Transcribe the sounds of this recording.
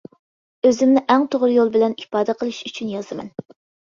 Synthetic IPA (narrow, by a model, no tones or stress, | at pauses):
øzɪmnɪʔæŋt̪ʰoʁɾjolˠbɪlɛnipɑːd̪ɛqʰəlˠɨʃyt͡ʃʰynjɑzɨmɛ̰n